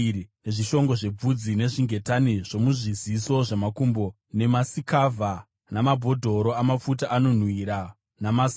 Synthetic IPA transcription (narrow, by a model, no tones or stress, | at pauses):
ne̞ʐiʃo̞ŋɡoʐe̞b͡vud͡zine̞ʐiŋɡe̞taniʐo̞muʐiziso̞ʐemakumbo | ne̞masikavʱa | namabʱo̞dʱoɾo̞amap͡futaʔano̞n̤wiːɾa | namas